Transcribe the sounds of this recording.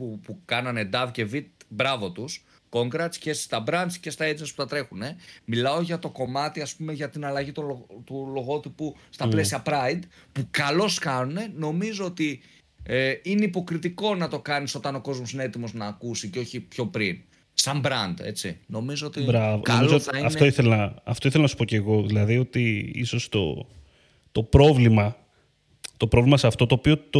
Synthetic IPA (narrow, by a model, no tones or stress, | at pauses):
pupukɐnɐned̪ɐvce̞vit̪̚bɾɐvo̞t̪us | ko̞ŋɡɾɐt̪sce̞si̥st̪ɐbɾɐnt̪scest̪ɐeznesput̪ɐt̪ɾe̞xune̞milɐo̞ʝɐt̪o̞ko̞mɐt̪iɐspume̞ʝɐt̪inɐlɐʝit̪ot̪ulo̞ɣo̞t̪ipust̪ɐple̞siɐpɾɐind̪ | pukɐlo̞skɐnune̞no̞mizo̞ot̪i | ine̞ipo̞kɾit̪iko̞nɐt̪o̞kɐniso̞t̪ɐno̞ko̞zmosineet̪imo̞znɐːkusiceo̞çipço̞pɾin | sɐmbɾɐnd̪e̞̰t͡ssḭno̞mizoot̪ibɾɐvo̰nolizooɐiɐnft̪oiθelɐnɐɐft̪o̞iθelɐnɐsu̥poce̞ɣo̞ðilɐðio̞t̪iḭso̞st̪o̞̰ | t̪o̞pɾo̞vlimɐ | t̪opɾovlimɐseɐft̪o̞t̪oːpio̞t̪o